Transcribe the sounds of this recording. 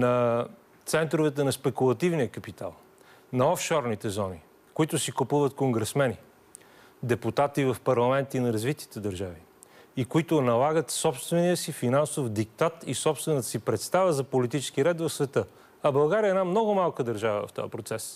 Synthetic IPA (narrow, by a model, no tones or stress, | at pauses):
nɐ | t̪sɛnt̪ɾʊvɛt̪ɛnɐspɛkulˠɐt̪ivnijəkɐpit̪a̰lˠ | nɐɔfʃɔɾnit̪ɛzɔni | kʊit̪ʊsikupuvət̪koŋɡɾɛsmɛni | d̪ɛput̪at̪ivɐfpɐɾlˠɐmɛnt̪inɐɾɐzvit̪i̥t̪ɛd̪ɐɾʒavi | ikoit̪ʊnɐlˠaɡət̪sɔpst̪vɛniəsifinansofd̪ik̚t̪at̪isɔpst̪vɛnət̪ə̥sipɾɛt̪st̪avəzɐpolit̪it͡ʃɛ̥skiɾɛt̪vɐfsvɛt̪ɤ | ɐbɐlˠɡaɾiəɛnamnɔɡʊmalˠkəd̪ɐɾʒavə̰vɐ̰ft̪ɔ̰jəpɾot̪sɛs